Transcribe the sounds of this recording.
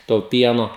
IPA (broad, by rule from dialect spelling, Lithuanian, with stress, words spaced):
toː ˈpʲiɛnoː